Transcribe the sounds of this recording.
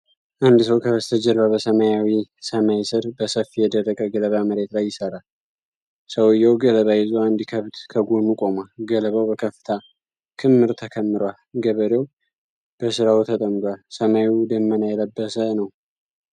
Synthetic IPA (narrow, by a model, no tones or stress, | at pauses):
ʔand̪səwkʰəβəst̪ʰəd͡ʒɛɾβabəsəmajawisəmajsɨɾbəsəfːijɛd̪əɾəkʼːəɡələβaməɾe̞t̪lajːɪsəɾal | səwɨjːawɡələβajɪzoand̪ikʰəβt̪kʰəɡonukʼo̞malɡələβawbəkʰəfɨ̥t̪ʰa | kʰɨmːɨɾt̪ʰəkʰəmːɨɾwalɡəβəɾew | b̥əsɨɾawt̪ʰət̪ʼəmdwalsəmajwd̪əmːənajɛləbːəsənəw